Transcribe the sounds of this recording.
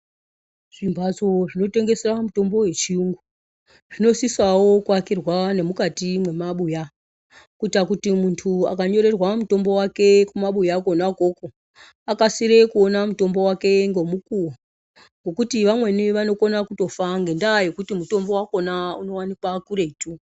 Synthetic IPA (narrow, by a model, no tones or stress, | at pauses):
ʐ̥imbʱad͡zoʐino̞te̞ŋɡe̞seramuto̞mbo̞we̞t͡ʃiuŋɡu | ʐ̥ino̞sisawo̞kuakirwane̞mukatimwe̞maɓuja | kuitakutimuntʰua̰kaɲo̞ɾe̞rwamuto̞mbo̞wake̞kumaɓujako̞nako̞ko | akasiɾe̞kuonamuto̞mbo̞wake̞ŋɡo̞mukuwa | ŋɡo̞kutiʋamwe̞niʋano̞ko̞nakuto̞faŋɡendajo̞kutimuto̞mbo̞wako̞nauno̞wanipakuɾe̞itu